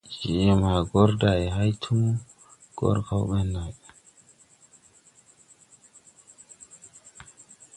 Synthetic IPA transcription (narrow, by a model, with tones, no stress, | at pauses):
d͡ʒi˨ɛ˨ma˨ɡɔ˦ɾda˨ɛ˨ɦa˦jt̪ʰu˦mu˦ | ɡ̥ɔ̰˦ɾkʰa˦wɓɛ˦nːa˨